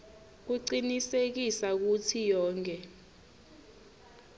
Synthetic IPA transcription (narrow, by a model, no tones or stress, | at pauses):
k̬uǀinisek̬isak̬utʰijɔːŋk̬ʼɛ